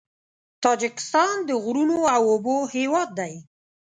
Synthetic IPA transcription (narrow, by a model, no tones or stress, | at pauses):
t̪ɑd͡ʒɪkɪ̥st̪ɑnd̪əɣɾunoawobohewɑd̪̚ːaj